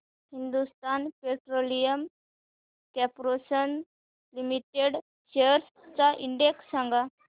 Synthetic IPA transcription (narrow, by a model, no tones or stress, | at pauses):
hind̪ust̪anpeʈɾolijəm | kɛpɾosən | limiʈeɽ | ɕeəɾs | t͡saʔiɳɖeksːãŋɡa